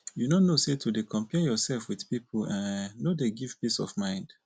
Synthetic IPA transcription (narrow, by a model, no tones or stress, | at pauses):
junonosetʰudekʰɔ̃mpɛjɔsɛlfwiðpipʰolãnːodeɡivpisɔ̰vmãɪ̃nd̥